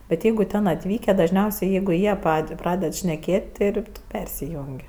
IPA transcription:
bʲɛt ˈjɛɪɡʊ ˈtʲɛn ɐtʲˈʋʲiːkʲæː dɐʒʲˈnʲɛʊsʲɛɪ ˈjɛɪɡʊ ˈjiɛ ˈpɐtʲ ˈprɑːdʲɛt ʃʲnʲɛˈkʲeːtʲ ˈtʲɪ ɪr tʊ ˈpʲɛrʲsʲɪjʊŋʲkʲ

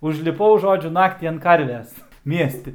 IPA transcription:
ʊʒʲlʲɪˈpɐʊ ˈʒoːd͡ʒʲʊ ˈnɑːktʲiː ɐnt ˈkɐrʲʋʲɛs ˈmʲiɛsʲtʲɪ

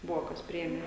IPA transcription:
ˈbʊʋoː ˈkɐs ˈpʲrʲɪeːmʲeː

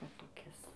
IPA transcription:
ˈʋɐ toːˈkʲɪs

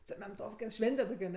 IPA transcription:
t͡sʲɛmʲɛnˈtoːfʲkʲɛ ˈʃʲʋʲɛnʲtʲɛ toːkʲ ɐˈnʲɛ

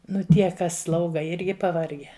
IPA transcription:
ˈnʊ ˈtʲiɛ ˈkɐs ˈslˠɐʊɡɐ ˈɪrʲɡʲɪ pɐˈʋɐrʲɡʲæː

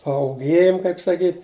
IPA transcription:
pɐʊˈɡʲeːjʊm kɐɪp sɐˈkʲiːtʲ

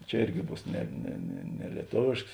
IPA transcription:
ˈt͡ʃʲɛ ˈɪrʲɡʲɪ ˈbuːs ˈnʲɛ nʲɛ nʲɛ nʲɛ lʲiɛˈtoːʋʲeːʃks

